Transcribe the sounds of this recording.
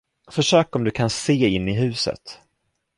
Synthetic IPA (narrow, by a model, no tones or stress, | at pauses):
fœʂøːkɔmd̪ɵkʰanseːɪnːɪɦʉ̟ːsə̰t̪